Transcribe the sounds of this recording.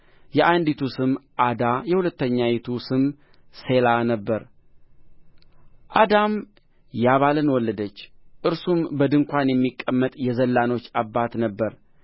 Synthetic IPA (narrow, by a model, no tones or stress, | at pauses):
jɛʔand̪it̪ʰusɨmʔad̪ajɛhulət̪ːəɲːajit̪ʰusɨm | se̞lanəbːəɾ | ʔad̪am | jaβalɨnwɔlːəd̪ət͡ʃːʔɨɾsumbəd̪ɨŋkʷanjɛmːikʼːəmːət̪ʼjɛzəlːano̞t͡ʃːabːat̪nəbːəɾ